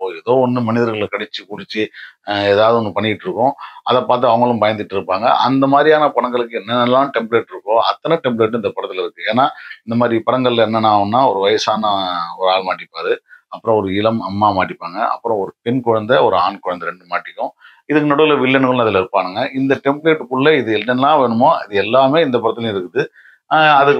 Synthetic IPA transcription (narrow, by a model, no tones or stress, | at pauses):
poːjɪɾɐðoːɔnːɯmɐnɪðɐɾɣɐɭkɐɽɛt͡ʃːɯkʊɽɪt͡ʃːɯeːðaːʋɐðɯɔnːɯpɐɳːɪɪʈːɾɯkːʊ̃ɐðɐpaːɾt̪̬ɯɐʋɐŋɡɐɭɯmbɐjɐnd̪ɪʈːɯɾɯpːaːŋɡɐ̰ʔɐ̰nd̪ɐmaːðɾijaːnɐpɐɽɐŋɡɐɭɯkːɯɛnːɐnɛlːãːʈɛmpɾeːʈːɪɾɯkːʊ̃ɐt̪ːɐnɐʈɛmpɭeːʈ̬ːɪnd̪ɐpɐɽɐt̪ːɪlɪɾɯkːɯeːnaːɪnd̪ɐmaːðɾipɐɽɐŋɡɐɭlɛnːɐnaːʋɐnːaːɔɾɯʋɐjɐsaːnɐɔɾɯaːɭmaːʈːɪpːaːɾɯɐpːɯɾɔ̃ɔɾɯɪlɐmɐmːaːmaːʈːɪpːaːŋɡɐʔɐ̰pːɯɾɔ̃ɔɾɯpɛnkʊɻɐnd̪ɐɔɾɯaːnkʊɻɐnd̪ɐɾɛɳɖɯmaːʈːɪkːʊ̃ | ɪðɯkːɯnɐɽɯðɪlɐʋɪɭːɐnkɐɭ̃ɐðɪlɐɪɾɯpːaːnɯŋɡɐʔɪnd̪ɐʈɛmpbɭeːʈːɯkʊɭːɐɪðɯɛlːɛlːãːʋeːɳɯmoːɐ̰ðɯɛlːaːmeːɪnd̪ɐpɐɾɐt̪ːɪlɐ̃ɪɾɯkːɯðɯ | ɐðɯ